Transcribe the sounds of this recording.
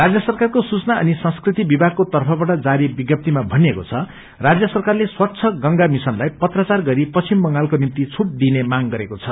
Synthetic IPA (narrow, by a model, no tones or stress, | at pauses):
rad͡zjʌsʌrkarkosut͡snaʌ̰nisʌ̃nskrit̪ibibʱaɡ̚kot̪ʌrpʰʌbaʈʌd͡zaɾibiɡjʌp̚t̪imabʱʌnekot͡sʰʌ | rad͡zjʌsʌrkarleswʌt̪ːt͡sʰʌɡʌŋɡamisʌnlajpʌt̪rat͡sarɡʌɾipʌt͡sʰimbʌŋɡalkonint̪it͡sʰuʈ̚d̪inemaŋɡʌɾekot͡sʰʌ